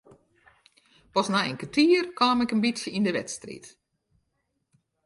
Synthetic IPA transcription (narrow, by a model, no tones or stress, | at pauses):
pɔsnainkətʰiːərkaːmɛkənbisjəindəʋɛ̰tstrḭt